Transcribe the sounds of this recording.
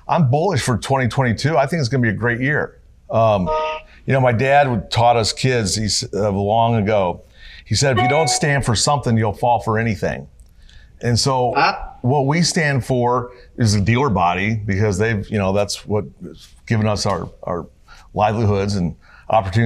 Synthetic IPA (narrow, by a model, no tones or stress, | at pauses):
ʔãɪ̃mbʊlˠəʃfə˞tʰw̥ɛ̃ɾ̃itʰw̥ɛ̃ɾ̃itʰʉaɪθɪ̃ŋkɨtsɡ̥ʌ̃nəbiɨɡɹeɪt̚jɪɹ | ʌ̃m | jɨñoʊmaɪdæd̚wəd̚tʰɔɾʌskʰɪdz̥isʌlɔ̃ŋɨɡoʊ | isɛɾɨfjɨɾõʊ̃ntstæ̃nd̥fə˞sʌ̃mθɪ̃ŋjul̩ˠfɔlˠfə˞ɛñiθɪ̰̃ŋ | ɨ̃nsoʊwʌt̚wistæ̃nd̥fə˞ɨzðɨdilˠə˞bɑɾibɨkʌzðeɪvjɨñoʊðætswʌt̚ɡ̥ɪvɨ̃nʌsaʊə̰˞ʔa̰ʊə˞ | laɪvliɦʊdzɨ̃n | ʔɑpə˞tʰʉ